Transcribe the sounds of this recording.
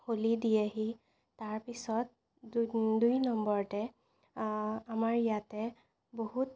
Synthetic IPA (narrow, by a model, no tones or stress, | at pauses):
holidijaɦi | taɹpisɔt̚ | dujnɔmbɔɹtɛ | amaɹijatɛ | bohut̚